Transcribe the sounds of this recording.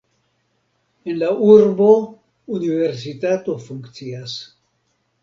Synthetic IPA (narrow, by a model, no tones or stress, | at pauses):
enlauɾbo̞ | unive̞ɾs̬itat̪o̞fuŋkt͡sias